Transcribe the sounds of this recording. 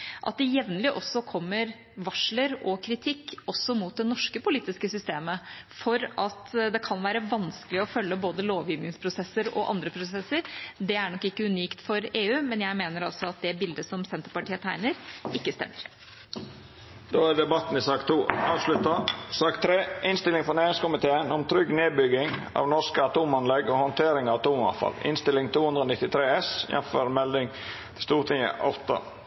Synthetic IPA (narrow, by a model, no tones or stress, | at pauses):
ʔɑ̰t̪̚d̪ɛjɛʋnəlɪʔɔsːɔkʰɔmːəɾ | ʋɑʂləɾɔkʰɾɪt̪ʰɪkːɔsːɔmuːt̪̚d̪ɛnɔʂkəpʊliːt̪ɪskəsʏst̪eːməfɔɾʔɑt̪d̪ɛkʰɑnʋæːɾəʋɑnskəlɪɔfœlːəboːd̪əloːʋjiːʋnɪŋspʰɾʊsɛsːəɾɔ̰ʔɑ̰nd̪ɾəpʰɾʊsɛsːəɾd̪ɛæɳɔkːɪkːəʉniːkt̪fɔɾeːʉːmɛnjæɪmeːnəɾɑlsɔɑt̪̚d̪ɛbɪld̪əsɔmsɛnt̪əɾpɑʈiːət̪ʰæɪnəɾɪkːəst̪ɛ̰mːəɾ | d̪̥oːæɖ̪ɛbɑt̪ːn̩ɪsɑːkt̪ʰuːɑːʋslʉt̪ɑsɑːkt̪ʰɾeːʔɪnst̪ɪlɪŋfɔɾnæːɾɪŋskʊmɪt̪ʰeːənɔmt̪ʰɾʏɡneːbʏɡɪŋ | ɑ̰ːʋnɔskəɑt̪uːmɑnlɛɡɔhɔnt̪ʰeːɾɪŋɑʋɑt̪uːmɑ̰nfɑ̰lɪ̰nst̪ɪlɪŋt̪ʰuːhʉnd̪ɾəɔːnɪt̪ːɪt̪ʰɾeːɛsjɛ̰nføːɾmɛld̪ɪŋt̪ʰɪst̪uːɾt̪ʰɪŋə̰ʔɑt̪ɑ̰